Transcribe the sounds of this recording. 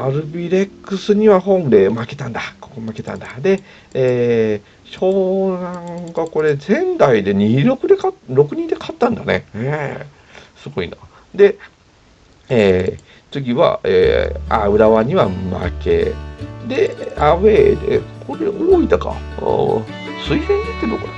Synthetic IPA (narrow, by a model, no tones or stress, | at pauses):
aɾɯ̟bʲiɾe̞kːɯsɨɲ̟iβaɦõ̞md̪e̞make̞t̪ãnd̪akokomake̞t̪ã̰nd̪ad̪e̞ | ɕo̞ːnãŋɡako̞ɾe̞zẽ̞nd̪aid̪e̞ɲiiɾokɯ̟d̪e̞kaɾo̞kɯ̟ɲ̟id̪e̞kʰḁt̪ːãnd̪ane̞̰he | sɨɡo̞ḭna | d̪e̞ | e | t͡sɨɡʲiβa̰ḛa̰ɯ̟ɾaβaɲ̟iβama̰ke̞̰d̪e̞aβeːd̪ḛkʰoɾeoːid̪aka̰ | sɨihẽnak̪ːed̪oko